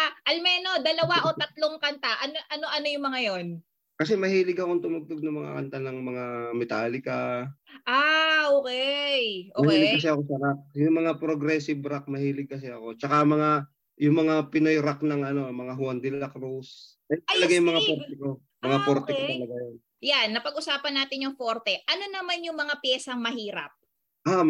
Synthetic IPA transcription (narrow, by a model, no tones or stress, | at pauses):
ʔaʔɐlmɛːno̞d̪ɐlɐwaʔo̞t̪ɐt̪loŋkɐnt̪aʔɐnoʔɐno̞ʔɐno̞jʊŋmɐŋajo̞n | kɐs̬ɛmɐhiːlɪɡɐko̞ŋt̪ʊmʊɡ̚t̪oɡ̚nɐŋmɐŋa̰kɐ̰nt̪anɐŋmɐŋamɛt̪aːlɪkaʔaʔoːkɛjʔomɐhiːlɪɡkːɐs̬ɛɐko̞sɐɾak̚jʊŋmɐŋapɾoɡɾɛsɪbɾak̚mɐhiːlɪɡ̚kɐs̬ɛɐko̞t͡ʃɐkamɐŋa | jʊŋmɐŋapɪnojɾak̚nɐŋʔɐno̞mɐŋaɦʊand̪ɪlɐkɾus | ɐj̪ɐlɐɡajʊŋmɐŋapoɾt̪ɛko̞ | mɐŋapoɾt̪ɛkot̪ɐlɐɡajon | janːɐpɐɡʔʊsaːpɐnːaːt̪ɪnjʊŋfoɾt̪ɛʔɐno̞nɐmanjʊŋmɐŋapjɛːsɐŋmɐɦiːɾɐp̚ | ʔa